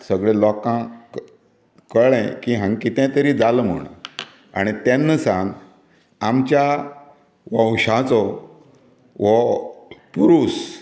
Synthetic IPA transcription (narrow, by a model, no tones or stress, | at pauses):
səɡɭẽlɔkã | kəɭɛ̃kiɦãŋɡkit̪ɛ̃t̪əɾid͡zaləm̤ə̰ɳa̰ | a̰ɽ̃it̪ɛ̃nːəsãŋɡ | amt͡ɕja | ʋə̃wɕãt͡sɔ | ʋɔ | puɾuːs